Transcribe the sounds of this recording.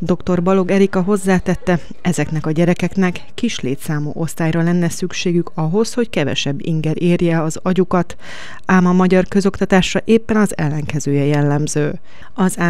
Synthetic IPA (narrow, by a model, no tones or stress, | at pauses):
d̪o̞kt̪o̞rbɒlo̞ɡɛɾikɒɦo̞zːaːt̪ɛt̪ːɛ | ɛzɛknɛkɒɟɛɾɛkɛknɛkːiʃleːt̪saːmṵːʔo̞st̪aːjrɒlɛnːɛsykʃeːɡykɒɦo̞sho̞ckɛvɛ̰ʃɛbːḭŋɡɛɾʔeːrjɛɒzɒɟukɒt̪ | aːmɒmɒɟɒrkø̞zo̞kt̪ɒt̪aːʃrɒʔeːpːɛnɒzɛlːɛŋkɛzøːjɛjɛlːɛmzøː | ɒzaː